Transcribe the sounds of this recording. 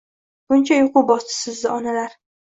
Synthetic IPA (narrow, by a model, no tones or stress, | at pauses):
b̥ʊnt͡ʃʰajoqʊbɒsɪ̥sɪzd̪ɪɒnalaɾ